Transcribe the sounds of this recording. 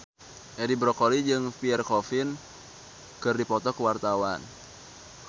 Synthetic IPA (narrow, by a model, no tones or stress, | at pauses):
ʔɛdibɾɔkolid͡ʒɨŋpiɛrkɔfin | kɨrdipɔt̪ɔkəwart̪awan